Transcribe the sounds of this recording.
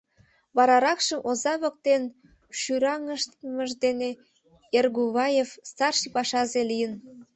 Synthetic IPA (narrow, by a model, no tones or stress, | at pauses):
βɑɾɑɾɑkʃəmʔozɑβə̆k̚t̪en | ʃyɾɑŋəʃt̪məʒd̪ene | erɣuβɑjefst̪ɑrʃipɑʃɑzelijən